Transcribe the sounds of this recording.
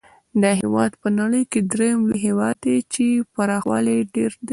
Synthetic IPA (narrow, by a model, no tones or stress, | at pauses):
d̪əɦewɑd̪pənaɽəjked̪ɾejmliɦewɑd̪ːet͡ʃepaɾɑxwɑ̰leɖeɾd̪e